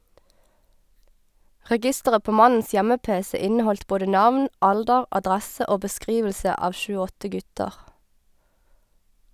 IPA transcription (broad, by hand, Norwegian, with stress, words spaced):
ʁɛˈɡɪstəʁə ˈpoː ˈmɑnn̩s ˈjɛməˌpeːsɛ ˈɪnəˌhɔlt ˈboːɖə ˈnɑʋn ˈɑldəʁ ʔɑˈdʁæsə ˈʔoː bəˈskʁiːʋəlsə ˈɑːʋ ˈʃʉː ˈɔtə ˈɡʉtəʁ